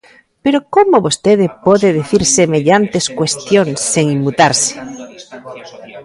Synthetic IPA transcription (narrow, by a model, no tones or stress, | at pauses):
peɾokomoβost̪eðepoðeðeθiɾsemeʎant̪eskwest̪jonsːeŋimːut̪aɾse̥